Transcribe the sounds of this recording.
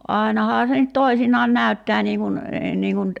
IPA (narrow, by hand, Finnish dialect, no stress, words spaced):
ʔɑˑi̞nɑhɑː se nyt toisinɑːn næˑy̞tːæː niː kun niːŋ kun